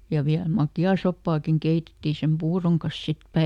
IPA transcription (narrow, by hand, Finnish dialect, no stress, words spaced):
jɑ ʋiæl mɑkjɑː sopːɑːkiŋ keitetːi sem puːroŋ kɑs sit